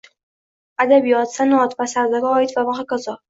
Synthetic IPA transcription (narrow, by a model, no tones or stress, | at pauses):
ad̪abijɒt̪sanɒt̪vasaɾd̪aɾʲɒɪt̪vavaqakazɒ